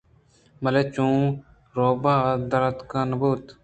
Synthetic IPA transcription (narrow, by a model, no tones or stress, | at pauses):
mɐleːt͡ʃũː | ɾoːbaːd̪ɐɾət̪kanɐbuːt̪